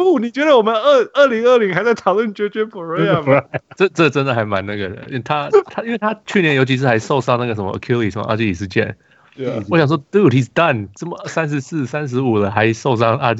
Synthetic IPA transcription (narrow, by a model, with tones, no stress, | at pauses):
pu˥˩ni˨˩t͡ɕɥɛ˧˥d̪ə˧˨wɔ˨˩mə˦nə˥˩ə˥˩li˧˥ŋə˥˩li˧˥ŋxa˧˥ɪt͡sa˥˩ɪt̪ʰɑ˨˩ʊlwə˥˧nt͡ɕɥɛ˧˥t͡ɕɛ˥pə˨˩ɹe˥˧a˨m˥ʈ͡ʂə˥˧ʈ͡ʂə˥˩ʈ͡ʂə˥nd̪ə˨xa˧˥ɪma˧˦na˥˩ɡə˩d̪ə̰˩i˥t̪ʰa˥t̪ʰa˥i˥nwe˥˩ɪt̪ʰa˥t͡ɕʰy˥˩jɛ˧˦njo˧˥t͡ɕʰi˧ʂ̬ɻ̩˥˩xa˧ɪʂo˥˧ʊʂɑ˥˧ŋna˥˩ɡə˩ə˧˥mə̰˧ʔə̰˨˩kʰju˥li˨˩ʂə˥˩mə̰˧a̰˥˧˩t͡ɕi˥˧i˨˩ʂɻ̩˧t͡ɕjɛ̰˥˩n | ɔ˦˥ɕjɑ˨˩ŋʂwɔ˥t̪u˥ti˧st̪a˥˨˩nʈ͡ʂə˥˩mə˩sa˦˥nʂ̬ɻ̩˧˦sɹ̩˥˩sa˥nʂ̬ɻ̩˧˥u˨˩lə˦xa˧˥ɪʂo˥˧ʊʂ̬ɑ˥˧ŋa˥